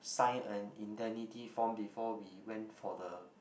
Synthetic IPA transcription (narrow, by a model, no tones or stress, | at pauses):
sãɪ̃nə̃nĩntɛnitifɔ̃mbifɔwiwɛ̃ntfɔdə